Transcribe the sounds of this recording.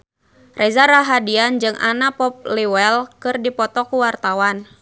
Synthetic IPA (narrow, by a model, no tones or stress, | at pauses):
rɛzaɾaɦadiand͡ʒɨŋʔa̰napɔp̚liwɛlkɨrdipɔt̪ɔkuwart̪awan